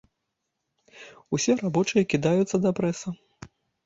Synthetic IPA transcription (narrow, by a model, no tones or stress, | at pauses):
usʲɛrabɔt͡ʂɨjɐkʲid̪ajut̪sːɐd̪ɐpɾɛsɐ